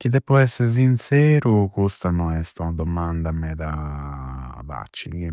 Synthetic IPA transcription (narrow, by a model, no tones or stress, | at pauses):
k̟id̪ɛpːɔɛsːeɾs̬insɛːɾukust̪anɔɛst̪unad̪omand̪amɛt̪a | ba̰t͡ʃːiki